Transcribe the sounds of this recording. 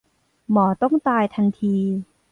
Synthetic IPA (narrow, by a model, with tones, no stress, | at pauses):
mɔː˩˦t̪ɔ˥˩ŋt̪aː˧jt̪ʰa˧nt̪ʰiː˧